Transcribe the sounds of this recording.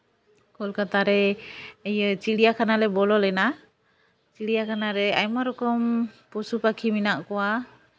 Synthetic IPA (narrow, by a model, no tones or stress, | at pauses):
kɔlkat̪aɾɛəjət͡ʃiɽijakʰanalɛbɔlɔlɛna | t͡ʃiɽijakʰanaɾɛajmaɾɔkɔmpɔsupakʰiminaʔkɔwa